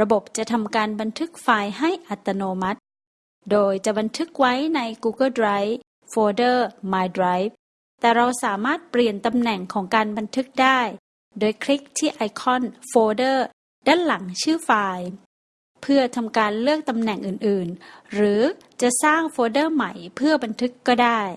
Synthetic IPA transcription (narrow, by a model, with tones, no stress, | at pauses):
ɾa˧bo˨˩p̚t͡ɕa˨˩ʔt̪ʰa˧mkaː˧nba˧nt̪ʰɯ˦˥k̚faː˧jɦa˥˩jʔa˨˩t̪ːa˧noː˧ma˦˥t̪̚ | doː˧jt͡ɕa˨˩ʔba˧nt̪ʰɯ˦˥k̚wa˦˥jna˧jkuː˧ɡɤː˥˩dɾaː˦˥j | foː˧dɤː˥˩maː˧jdɾaː˦˥jp̚ | t̪ɛː˨˩ɾa˧wsaː˩˦maː˥˩t̪̚pli˨˩ənt̪a˧mnɛ˨˩ŋkʰɔː˩˦ŋkaː˧nba˧nt̪ʰɯ˦˥k̚daː˥˩j | doː˧jkʰɾi˦˥k̚t̪ʰiː˥˩ʔa˧jkʰɔ˥˩˨nfoː˧dɤː˥˩ | da˥˩nla˩˦ŋt͡ɕʰɯː˥˩faː˧j | pʰɯ˥˩ɐt̪ʰa˧mkaː˧nlɯ˥˩ək̚t̪a˧mnɛ˨˩ŋʔɯː˨˩nʔɯː˨˩nɾɯː˩˦ | t͡ɕa˨˩ʔsaː˥˩ŋfoː˧dɤː˥˩ma˨˩˦jpʰɯ˥˩ɐba˧nt̪ʰɯ˦˥kːɔː˥˩daː˥˩j